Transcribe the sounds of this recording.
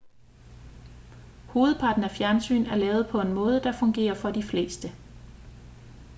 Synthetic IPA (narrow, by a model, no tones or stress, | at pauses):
ho̝ːð̞̩ˠpʰɑ̈ːd̥n̩æfjæɐnsy̰ːnæɐlɛːʊð̞̩ˠpʰɒ̽e̝nmɔ̽ːð̞ˠəd̥ɑ̈fɔ̽ŋɡ̥e̝̰ːɐfɒ̽d̥ifle̝̰ːsd̥ə